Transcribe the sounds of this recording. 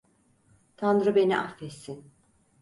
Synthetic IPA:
t̪ʰand̪ɾɯbe̞niʔafɛt̪sin

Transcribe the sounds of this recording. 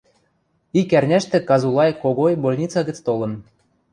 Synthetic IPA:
ikærnʲæʃt̪ĕkɑzulˠɑjkoɣojbolʲnʲit͡sɑɣɘ̆t͡st̪olɤ̆n

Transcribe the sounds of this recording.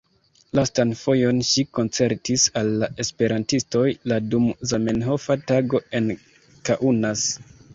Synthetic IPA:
lastanfo̞jo̞nʃiko̞nt͡se̞ɾtisalːaʔe̞spe̞ɾantisto̞jladumzame̞nɦo̞fataɡo̞e̞n | kaʔunas

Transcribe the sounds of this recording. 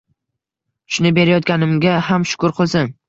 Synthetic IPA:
ʃʊnɪbe̞ɾajɒt̪̚kʲanɪmɡʲaɦamʃʊ̥kʰʊɾqʰɨlˠsɪŋ

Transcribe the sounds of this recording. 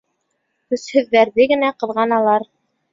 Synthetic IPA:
hɵshɵ̆ðːæɾðɘɡɘ̆næqɤ̆ðʁɑnɑlˠɑɾ

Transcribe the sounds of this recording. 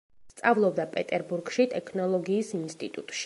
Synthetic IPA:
st̪sʼavlˠɔbd̪apʼɛt̪ʼɛɾbuɾɡʃit̪ʼɛkʰnɔlˠɔɡiːsinst̪ʼit̪ʼut̪ʼʃi̥

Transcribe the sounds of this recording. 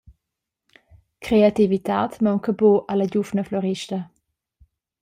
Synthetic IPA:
kɾeativita̰ːtmawŋkəboʔaləɟufnəflɔʁiʃtə

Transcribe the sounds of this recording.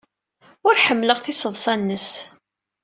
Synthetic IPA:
ʊɾħəmːləʁθisəðˤsˤɑnːəs

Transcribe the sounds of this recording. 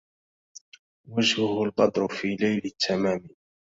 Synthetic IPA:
wad͡ʒhʊhʊlqɑd̪ɾʊfiːlajlɪt̪ʰːamaːmi

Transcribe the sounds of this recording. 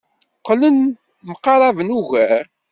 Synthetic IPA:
qlən | məqːɑɾˤɑvənuʝæ

